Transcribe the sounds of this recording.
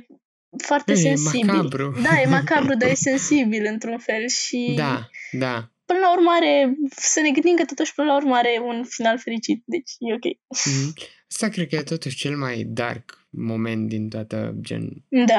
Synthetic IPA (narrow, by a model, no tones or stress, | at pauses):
foart̪ese̞nsibilbɾud̪ajemakabɾud̪aje̞se̞nsibilɨnt̪ɾunfe̞lʃid̪ad̪apɨnəlaurmaɾe̞səne̞ɡɨnd̪imkət̪ot̪uʃʲpɨnəlaurməaɾe̞unfinalfe̞ɾit͡ʃit̪̚d̪e̞t͡ʃʲjeokʲe̞̰j̩ | əst̪akɾed̪̚kəjet̪o̞t̪uʃt͡ʃelmajd̪a̰rk | mo̞ment̪̚d̪int̪oat̪ə̰d͡ʒḛnd̪a